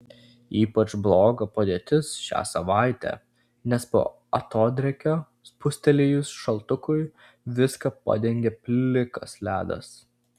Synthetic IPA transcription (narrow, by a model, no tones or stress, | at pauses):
iːpɐt͡ʃblˠoːɡɐpɐd̪ʲeːt̪ʲɪsʃʲæ̰ːsɐʋɑˑɪt̪ʲæ̰ | nʲɛspo̰ː | ɐt̪oːd̪ʲɾʲɛkʲoː | spʊsʲt̪ʲɛlʲɪjʊsʃɐlˠt̪ʊkʊj | ʋʲɪskɐpɐ̰d̪ʲɛŋʲɡʲeːpʲlʲɪkɐ̰slʲæːd̪ɐ̰s